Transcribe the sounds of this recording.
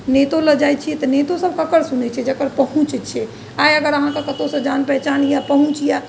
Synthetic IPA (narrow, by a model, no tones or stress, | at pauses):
net̪oləd͡ʒajt͡ʃʰiɛt̪ɔnet̪osəb̚kəkəɾsunɛt͡ʃʰɛd͡ʒəkəɾpəɦũt͡ʃɛt͡ʃʰɛ | ajəɡəɾəɦãkekət̪osə̃d͡ʒanpɛɦt͡ʃanjapəɦũt͡ʃija